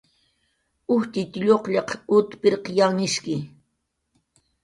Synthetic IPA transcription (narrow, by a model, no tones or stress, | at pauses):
ʊht̪ɪt̪ɪʎoqʎɑqʊt̪pɪɾqjanɪʃkɪ